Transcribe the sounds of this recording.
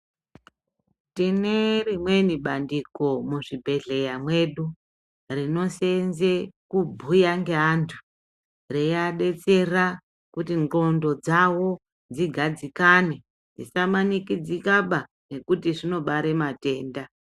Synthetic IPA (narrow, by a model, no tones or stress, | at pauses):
tinerimwe̞niɓandiko̞muʐibʱe̞ɮe̞jamwe̞ɗu | rino̞senzekubʱujaŋɡeɦantʰu̥ | rejaɗe̞t͡se̞ra | kutiŋro̞ndo̞d͡zawo̞ | d͡ziɡʱad͡zikane̞ | d͡zisamanikid͡zikaɓa | ne̞kutiʐino̞ɓaɾe̞mate̞ːnda